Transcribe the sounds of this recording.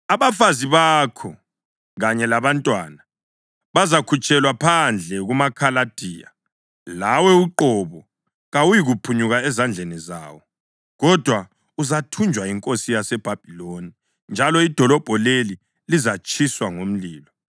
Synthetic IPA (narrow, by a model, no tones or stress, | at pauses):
aβafaziβakʰɔ | ɣaɲɛlaβantʼwana | βazakʰut͡ʃʼɛlwapʰand͡ɮʱɛɣumakʰalad̥ʱiːja̰ | lawɛuǃɔβɔ | ɣawujiɣupʰuɲuɣaɛzand͡ɮʱɛniza̰ːwɔ | ɣɔd̥ʱwa | uzatʰund͡ʒʱwaiŋkʼosijasɛb̥ʱab̥ʱiloni | nd͡ʒʱalɔid̥ʱɔlɔb̥ʱɔleli | lizat͡ʃʼʰiswaŋom̩liːlɔ